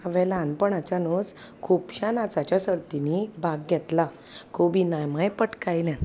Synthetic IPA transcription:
aʋɛ̃lanpəɳat͡ɕanod͡z | kʰupɕanat͡sat͡ɕjasəɾt̪inibʱaɡɡʱɛt̪la | kobinajmajpəʈkajljɛ̃n

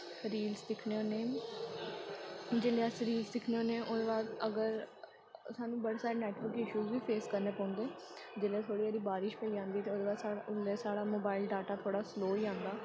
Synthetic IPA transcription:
ɾiːlsd̪ɪkʰneːoːneː | d͡ʒeːleːəsɾiːlsd̪ɪkʰneːoːneːʔod̪eːbaːd̪əɡəɾ | saːnũːbəɽːsaːɾeːnɛːʈʋəɾkɪʃuːzʋiːpʰeːskəɾneːpɔ̃ːnd̪oː | d͡ʒeːleːt̪ʰoːɽiːəɾiːbaːɾɪʃpəiːãːnd̪iːt̪eːoːd̪eːbaːaːleːsaːɽaːmoːbaːɪlɖaːʈaːt̪ʰoːɽaːsloːiːãːnd̪aː

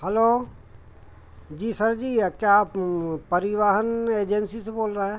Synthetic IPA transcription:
hɛloː | d͡ʒiːsɐɾd͡ʒiːkjappɐɾɪʋaːɦəneːd͡ʒensiseboːlɾaɛː

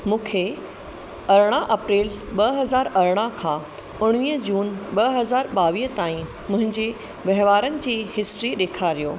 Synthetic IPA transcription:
mũːkʰe | ɐɾɽ̃aʔɐpɾiːlɓɐɦɐzaːɾɐɾɽ̃akʰãː | ʊɽ̃ʋiːɦəd͡ʑuːnɓɐɦɐzaːɾɓaːʋiːɦət̪aːĩ | mʊ̃ɦɪ̃ɲd͡ʑe | ʋɐɦʋaːɾənɪ̆d͡ʑiːɦɪsʈɾiɗeːkʰaɾijoː

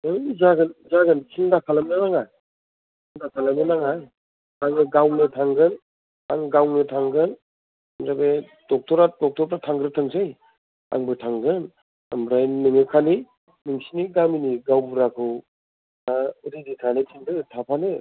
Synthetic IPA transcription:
ɯzaɡɯnzaɡɯnkʰindakʰalamnɯnaŋaj | kʰ | indakʰalamnɯnaŋaj | aŋɯɡawnɯtʰaŋɡɯn | aŋɡawnɯtʰaŋɡɯn | mzabe | d̥ɔk̚tʰɔɾadɔk̚tʰɔɾ̚tatʰaŋɡɾɯtʰɯŋsɯj | a̰ŋbɯtʰaŋɡɯn | a̰mɾajnnɯŋɯkʰani | nɯŋsiniɡaminiɡawbuɾakʰɯw | aɾiditʰanetʰindɯtʰapʰanɯ

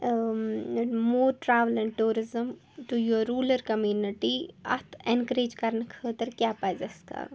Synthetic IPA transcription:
moːɾʈɾaʋəlɛ̃ɳɖ̚ʈuːɾɪzə̃m | ʈujoɾuːləɾkɐmjuːnɪʈiɐ̰t̪ʰẽnkəɾeːd͡ʒkɐɾnkʰəːt̪əɾkjaːpajzɐskʰa̰ɾ

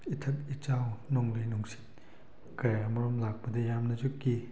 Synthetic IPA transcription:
itʰɐtit͡ʃawnɔŋlejnuŋsi̥t | kɐjamɐɾɔmlak̚pɐdɐjamnɐzukːi

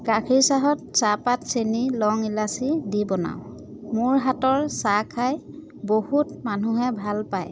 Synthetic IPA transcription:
kakʰiɹsaɦɔt̚sapatsenilɔŋilasidibɔna̰w | mʊɹɦatɔɹsakʰaj | bohutmanuɦɛbʱalpaj

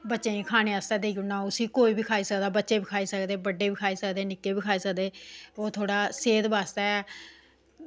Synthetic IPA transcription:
bətːt͡ʃʃeːĩkʰaːñeːast̪ɛːd̪eːɡʊnãːʊsiːkoːiːbiːkʰaːiːsəkd̪aːbətːʃeːbɪkʰaːiːsəkd̪eːbəɖeːbɪkʰaːiːsəkd̪eːnɪkːeːbiːkʰaːiːsəkd̪eːoːt̪ʰoːɽaːseːd̪baːst̪aːɛ

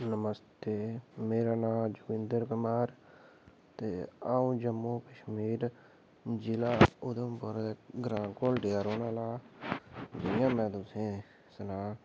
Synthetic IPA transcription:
nəməst̪eːmeːɾaːnãːmd͡ʒʊɡɪ̃nd̪əɾkʊmaːɾ | t̪eːaːũːd͡ʒəmːoːkəʃmiːɾ | d͡ʒɪlaːʊd̪əmpʊɾeɡɾãːkoːlɖeːaɾoːnaːlaː | d͡ʒɪjãːmɛ̃ːt̪ʊsẽː | sənaː

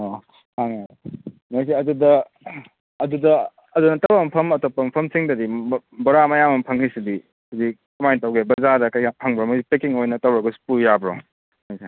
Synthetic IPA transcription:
o | aŋa | mɐjsiɐdudɐː | dudɐ | ɐdunɐtɐwampʰɐmɐtopːɐmpʰɐmsiŋdɐdi | boɾamɐjamɐmpʰaŋhisidi | sidikɐmajntawɡebɐzadɐkɐjapʰaŋbɾomɐsipekiŋojnɐtɐwɾɐɡɐsu̥pujabɾo̰ | majsi

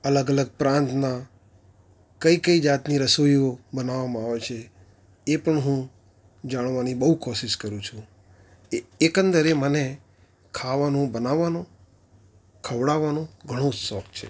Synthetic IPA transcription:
ələɡələɡ̚pɾãnt̪na | kəikəid͡ʒat̪niɾəsoiobənaʋamãaʋet͡ʃʰe | epəɳɦũ | d͡ʒaɽ̃ʋanibəɦukɔʃɪʃkəɾũt͡ʃʰũ | ekə̃nd̪əɾeməne | kʰaʋanũbənaʋːanõ | kʰəʋɽaʋanõɡʱəɽ̃õsɔk̚t͡ʃʰḛ

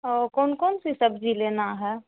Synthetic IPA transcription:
ɔːɾkɔːnkɔːnsisəbd͡ʒʱileːnaɦɛ

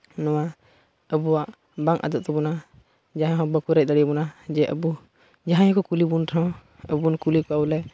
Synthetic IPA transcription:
nɔwa | əbɔwaʔ | baŋʔa̰d̪ɔʔt̪ɔbɔna | d͡ʒaɦãɦɔ̃bəkuɾɛc̚d̪əɽibɔnad͡ʒɛʔə̰bu | d͡ʒaɦãjɔ̃kɔkulibunʈʰɔ̃ | əbunkulikɔaulɛ

